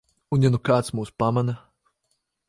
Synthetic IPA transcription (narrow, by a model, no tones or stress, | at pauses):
unjanukaːt̪smuːspamana